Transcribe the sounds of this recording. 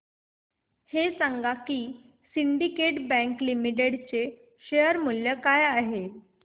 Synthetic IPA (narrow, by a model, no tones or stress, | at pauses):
hesaŋɡakiː | siɳɖikeʈbɛ̃ŋklimiʈ̬eɽt͡se | ɕejəɾmuljəkajaɦe